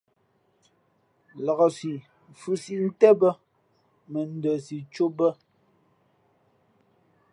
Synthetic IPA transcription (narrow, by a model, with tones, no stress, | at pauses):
lɔ˨ɣɔ˨si˨ | fʉ˨si˦ʔn̩˦tɛ˦bə˦ | mɛ˨n̩˦˨də˨si˨t͡ʃo˦bə˦